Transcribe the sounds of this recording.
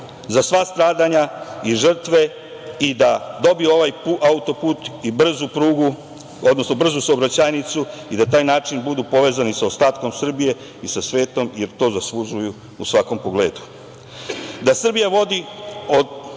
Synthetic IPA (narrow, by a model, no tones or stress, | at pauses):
zasʋast̪ɾaːd̪aɲaiʐr̩t̪ʋe̞ | id̪ad̪o̞bieo̞ʋajpuʔaut̪o̞puːt̪ibr̩zupɾuːɡu | o̞d̪no̞sno̞br̩zusaobɾat͡ɕaːjnit̪suid̪at̪aːjnaːt͡ʃinbud̪upo̞ʋe̞ːzanisaost̪aːt̪ko̞msr̩bije̞ | isasʋe̞ːt̪o̞mjeɾt̪o̞zaslˠuʒuju | usʋako̞mpo̞ɡle̞̰ːd̪u̥ | d̪asr̩bijaʋo̞d̪io̞d̪